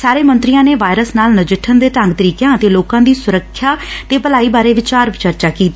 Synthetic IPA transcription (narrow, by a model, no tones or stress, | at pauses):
saːɾeːmənt̪ɾɪjãːneːʋaːjɾəsnaːlnəd͡ʒɪʈʰːənd̪eːt̪ə̃ŋɡt̪əɾiːkjãːət̪eːloːkãːd̪iːsʊɾəkʰːjaːt̪eːpəlaːiːbaːɾeːʋɪt͡ʃaːɾʋɪt͡ʃəɾt͡ʃaːkiːt̪a